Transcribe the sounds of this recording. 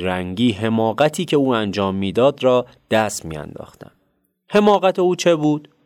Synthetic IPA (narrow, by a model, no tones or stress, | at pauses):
ɾæŋɟiːɦe̞mɒːɢæt̪ʰiːcʰe̞uːænd͡ʒɒːmːiːd̪ɒːd̪ɾɒː | d̪̥æst̪mḭːæ̰nd̪ɒ̰ːxt̪æ̰n | he̞mɒːɣæt̪ʰe̞uːt͡ʃʰe̞buːd̪̥